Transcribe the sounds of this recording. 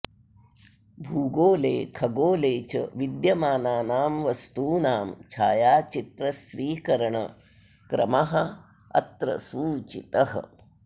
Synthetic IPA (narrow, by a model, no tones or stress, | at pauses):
bʱuːɡoːlḛːkʰɐɡoːleːt͡ʃɐ̰ʋid̪jɐmaːnaːnaːmʋɐst̪uːnaːmt͡ʃʰaːjaːt͡ʃit̪ɾɐsʋiːkɐɾɐɳɐ̰ | kɾɐ̰mɐɦɐ̆ | ɐ̰t̪ɾɐ̰suːt͡ʃit̪ɐɦɐ̰